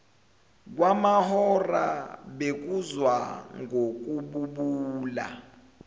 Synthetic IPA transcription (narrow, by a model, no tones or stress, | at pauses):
k̬wamahɔra̰ɓek̬uzwaŋʱok̬ʼuɓuɓuːla̰